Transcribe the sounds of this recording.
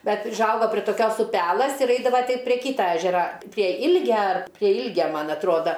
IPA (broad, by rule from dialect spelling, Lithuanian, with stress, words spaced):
ˈbʲɛt ʊʒˈɐʊɡɐ pʲrʲiɛ toːˈkʲoːs ʊˈpʲæːlˠɘs ɪr ˈɛɪdɐʋɐ ˈtʲɪ pʲrʲiɛ ˈkʲiːtɐ ˈæːʒʲɛrɐ pʲrʲiɛ ˈɪlʲɡʲɛ ɐr pʲrʲiɛ ˈɪlʲɡʲɛ ˈmɐn ɐtˈruɔdɐ